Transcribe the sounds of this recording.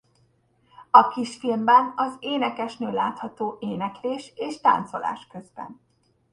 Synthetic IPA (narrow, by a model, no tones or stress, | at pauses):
ɒkiʃfilmbɛnɒzeːnɛkɛʃnøːlaːt̪hɒt̪oːʔeːnɛkleːʃeːʃt̪a̰ːnt̪so̞la̰ːʃkø̞zbɛ̰n